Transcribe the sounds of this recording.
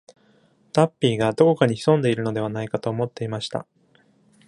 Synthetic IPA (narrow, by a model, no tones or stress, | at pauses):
t̪apʲːiːɡad̪o̞ko̞kaɲ̟içi̥sõ̞nd̪e̞iɾɯ̟no̞d̪e̞β̞anaikat̪o̞ːmo̞t̪ːe̞imaɕi̥t̪a̰